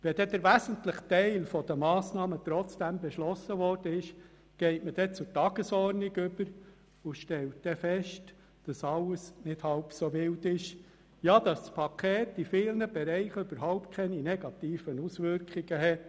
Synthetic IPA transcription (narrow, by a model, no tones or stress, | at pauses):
ʋɛdɛd̪əɾʋæzəntləχtɛɪlfɔd̥̪əmɑːsnɑːmət̪ɾɔt͡sd̥æmbɛʃlɔsːəʋɔrd̥əɪʃ | ɡ̥ɛɪtməd̥ɛt͡sʊtɑɡ̥əsɔrniɡʏb̥əɾ | ʊʃtɛlt̚d̥ɛfɛʃt | d̥ɑsɑlːəsnɪd̥hɑlpsoʋɪldɪʃ | jɑːd̥̪ɑsspʰɑkʰeːtifɪːlnəb̥ɛɾɛɪχʏb̥əɾɦaʊpt̚kʰɛninɛɡ̥ɑt̪iːfənusʋʏɾkχiɡəɦɛt